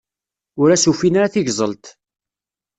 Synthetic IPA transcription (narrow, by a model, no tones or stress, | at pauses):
ʊɾæsufinaɾaθiʝzˤəlt̪